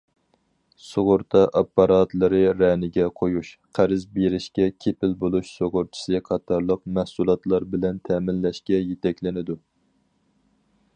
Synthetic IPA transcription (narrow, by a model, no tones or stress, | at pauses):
soʁʊɾt̪ʰɑʔɑpːɑɾɑt̪lˠɨɾɨɾɛnɪɡʲɛqʰojuʃqʰæɾɪzbeɾɪʃkʲɛkʲʰepɪlbolˠuʃsoʁʊɾt͡ʃʰi̥sɨqʰɑt̪ʰɑɾlˠəq̚mæhsulˠɑt̪lˠɑɾbɪlɛnt̪ʰɛːmɪlːɛʃkʲɛjet̪ʰɛkʲlɪnɪd̪u